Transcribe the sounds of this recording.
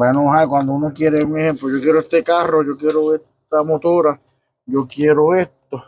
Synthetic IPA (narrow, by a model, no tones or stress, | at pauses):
wanõhaekwand̪ounokjeɾemehemplojokjeɾoeht̪ekarojokjeɾoeh | t̪amot̪uɾa | jokjeɾoeht̪o